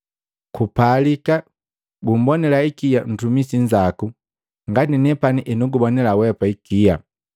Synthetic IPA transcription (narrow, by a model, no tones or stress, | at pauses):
kupalika | ɡum̩bɔnɛlaikijan̩tumisiɲd͡ʒaku | ŋɡaninɛpaniʔɛnuɡubɔnɛlawɛpaikija